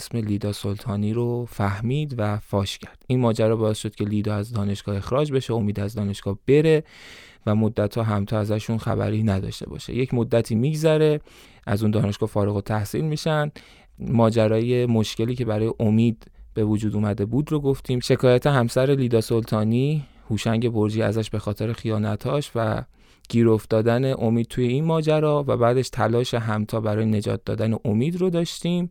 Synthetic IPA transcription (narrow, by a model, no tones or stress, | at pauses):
sme̞liːd̪ɒːso̞lt̪ʰɒːniːɾofæhmiːd̪væfɒːʃcʰæɾd̪̥inmɒːd͡ʒæɾɒːbɒːe̞st̪ʃo̞d̪̚cʰe̞liːd̪ɒːæzd̪ɒːne̞ʃɡ̥ɒːe̞xɾɒːd͡ʒbe̞ʃeo̞miːd̪æzd̪ɒːne̞ʃɡ̥ɒːb̥e̞ɾe̞ | væmo̞d̪ːæt̪hɒːɦæmt̪ʰɒːæzæʃunxæ̰bæ̰ɾiːnæd̪ɒ̰ʃt̪e̞̰bɒ̰ːʃḛje̞cʰmod̪ːæt̪ʰiːmiːɡzæɾe̞ | ʔæzund̪ɒːne̞ʃɡɒːfɒːɾeɣot̪ʰæhsḭlmiːʃænd̪ | mɒːd͡ʒæɾɒːje̞mo̞ʃce̞liːcʰe̞bæɾɒːje̞ʔo̞miːd̪b̥e̞vod͡ʒuːd̪uːmæd̪e̞buːd̪roɡo̞ft̪ʰiːmʃe̞kʰɒːjæt̪ʰe̞ɦæmsæɾe̞liːd̪ɒːso̞lt̪ʰɒːniː | huːʃæŋɟe̞bo̞ɾd͡ʒiːæ̰zæʃbe̞xɒːt̪ʰe̞ɾe̞xijɒːnæt̪ʰɒːʃvæ̰ | ɡ̥iːɾo̞ft̪ɒːd̪æne̞ʔo̞miːd̪̥̚t̪ʰuːje̞inmɒːd͡ʒæɾɒːvæbæːd̪e̞ʃt̪ʰælɒːʃeɦæmt̪ʰɒːbæɾɒːjene̞d͡ʒɒ̰ːt̪̚d̪ɒ̰ːd̪æne̞ʔo̞miːd̪ɾo̞d̪ɒːʃt̪iːm